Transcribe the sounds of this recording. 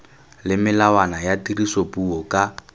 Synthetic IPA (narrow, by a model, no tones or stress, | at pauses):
lɪmɪlawanajatirisopʼuɔkʼa